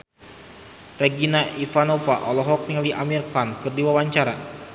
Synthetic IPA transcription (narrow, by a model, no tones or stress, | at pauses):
reɡinaʔifanofaʔɔlɔɦɔk̚niliʔamirkankɨrdiwawaɲt͡ʃaɾa